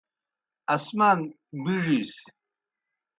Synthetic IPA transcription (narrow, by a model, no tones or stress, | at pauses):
asman | biʐis